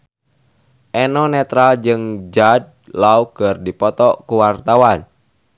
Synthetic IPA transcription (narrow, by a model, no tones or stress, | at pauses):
ʔɛnɔnɛt̪ɾald͡ʒɨŋd͡ʒad̚laukərdipɔt̪ɔkuwart̪awan